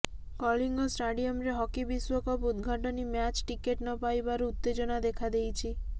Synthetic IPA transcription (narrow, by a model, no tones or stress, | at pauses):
kɔliŋɡɔsʈaɖiɔmɾeɦɔkibiswɔkɔpud̪ɡʱaʈɔnimat͡ʃʈikeʈnɔpajbaɾuut̪ːed͡ʒɔnad̪ekʰad̪ejt͡ʃʰi